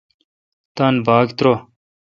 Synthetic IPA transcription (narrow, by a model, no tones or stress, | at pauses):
t̪anbaːɡt̪ɾo